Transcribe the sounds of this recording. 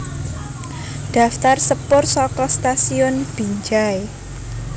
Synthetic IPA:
d̪̥a̤ft̪arsəpʊrsɔkɔst̪asiʊnb̥i̤ɲd͡ʒae

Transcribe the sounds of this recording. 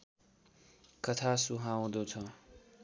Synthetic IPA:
kʌt̪ʰasuɦãw̃d̪ot͡sʰʌ

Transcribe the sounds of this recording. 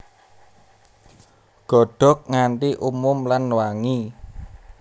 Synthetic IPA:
ɡ̥ɔ̤ɖ̥ɔ̤k̚ŋant̪iʔumʊmlanːwaŋi

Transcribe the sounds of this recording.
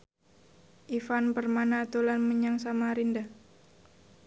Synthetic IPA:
ʔifanpərmanat̪ulanməɲaŋsamaɾinda

